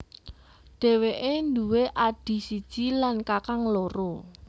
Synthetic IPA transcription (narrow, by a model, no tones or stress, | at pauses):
ɖ̥e̤weʔend̪uweʔaɖ̥i̤sid̥ʒ̥i̤lankakaŋloɾo